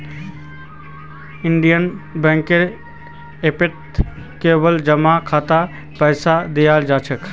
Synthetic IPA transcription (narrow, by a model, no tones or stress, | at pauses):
ɪɳɖijənbɛ̃ŋkeɾ | epɪʈ | keːbəld͡ʒəmakʰaːt̪a | pəɪsad̪ijaːld͡ʒaːt͡ʃʰəkʰ